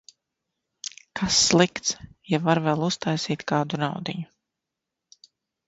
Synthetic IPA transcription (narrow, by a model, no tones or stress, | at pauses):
kʰasːlˠikt̪sjavaɾvɛlˠust̪ajsiːt̪kaːd̪unawd̪iɲu